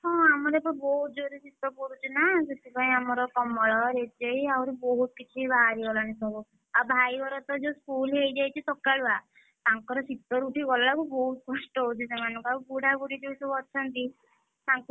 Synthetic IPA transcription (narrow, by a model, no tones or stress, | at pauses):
ɦɔ̃amɔɾepɔibɔɦut̪̚d͡ʒoɾisit̪ːɔpuɾut͡ʃʰinaset̪ipaĩamɔɾɔkɔmɔɭɔɾed͡ʒejawɾebɔɦut̪̚kit͡ʃʰibaɾiɡɔlañisɔɡu | abʱajbɔɾɔt̪ɔd͡ʒeskulɦejd͡ʒajt͡ʃʰit̪ɔkaɭua | t̪aŋkɔɾɔsit̪ɔɾuʈiɡɔlːakubɔɦut̪̚kɔsʈɔɦot͡ʃʰisemanɔŋkuauɡuɽaɡuɽid͡ʒewsubɔt͡ʃʰɔnt̪i | t̪aŋk